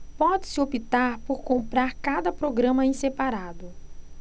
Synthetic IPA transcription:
pɔd͡ʒɪsɪopit̪aɾpoɾkõmpɾaɾkad̪ɐpɾoɡɾɐ̃mɐẽsepaɾad̪ʊ

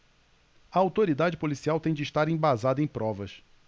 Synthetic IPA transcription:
ɐawt̪oɾid̪ad͡ʒɪpolisiawt̪ẽj̃d͡ʒɪiʃt̪aɾẽj̃bazad̪ɐẽj̃pɾɔvɐs

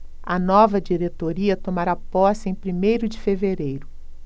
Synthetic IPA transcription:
ɐnɔvɐd͡ʒiɾet̪oɾiɐt̪omaɾapɔsẽj̃pɾimejɾʊd͡ʒɪfeveɾejɾʊ

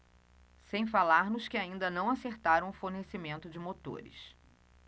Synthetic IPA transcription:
sẽj̃falaɾnʊskɪaĩnd̪ɐnɐ̃w̃aseɾt̪aɾɐ̃w̃ʊfoɾnesimẽnt̪ʊd͡ʒɪmot̪o̰ɾɪ̰s

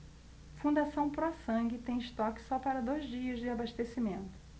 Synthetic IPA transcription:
fũnd̪asɐ̃w̃pɾɔsɐ̃ŋɡɪt̪ẽj̃ɪʃt̪ɔkɪ̥sɔpaɾɐd̪ojzd͡ʒiɐzd͡ʒɪabaʃt̪esimẽnt̪ʊ̥

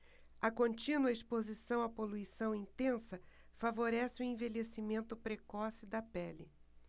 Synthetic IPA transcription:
ɐkõnt͡ʃĩnwɐispozisɐ̃w̃ɐpoluisɐ̃w̃ĩnt̪ẽsɐ | favoɾɛsɪʊẽvelesimẽnt̪ʊpɾekɔsɪd̪ɐpɛlɪ

